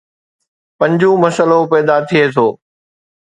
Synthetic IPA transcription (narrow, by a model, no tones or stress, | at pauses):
pɐ̃ɲd͡ʑũːmɐsəlopɛːd̪at̪ʰɪeːt̪ʰoː